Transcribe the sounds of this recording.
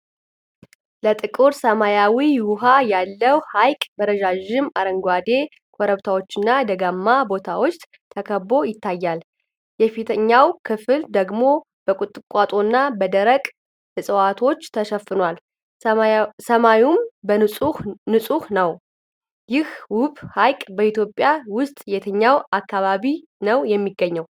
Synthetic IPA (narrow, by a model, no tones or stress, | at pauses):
lət̪ʼɨkʼuɾsəmajawiwʊɦajalːəwhajkʼbəɾəd͡ʒaʒɪmaɾəŋɡʷad̪e̞ | kʷʰɔɾəβt̪ʰawot͡ʃːɨnːad̪əɡamːabo̞t̪ʰawo̞t͡ʃː | t̪ʰəkʰəbo̞jɪt̪ːajːal | jɛfit̪ʰəɲːawkʰɨfɨld̪əɡmo̞ | b̥əkʼʊt̪ʼːɨkʼat̪ʼo̞nːabəd̪əɾəkʼ | hɨsʼəwat̪ʰo̞t͡ʃːt̪ʰəʃəfːɨnwal | səmawumbənɨsʼuhnəw | jɪhwʊβʼhajkʼbəit̪jo̞pʼːjawʊst̪ʼjet̪ʰəɲːawakːaβaβi | nəwjɛmːiɡəɲːəw